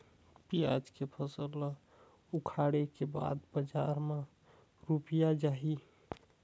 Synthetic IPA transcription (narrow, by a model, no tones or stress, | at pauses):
pia̰d͡ʒkepʰəsəlɔ | ukʰaɽekeba̰d̪bəd͡ʒaɾme | ɾupijad͡ʒaɦi